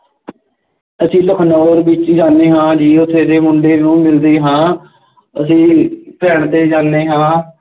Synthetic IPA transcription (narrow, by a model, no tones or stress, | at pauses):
əsĩːləkʰnɔːɾbɪt͡ʃd͡ʒaːneːɦãːd͡ʒiːʊt̪ʰːeːd̪eːmʊɳɖeːnũːmɪld̪iːɦãː | əsĩːpɛːɳt̪eːd͡ʒaːneːɦãː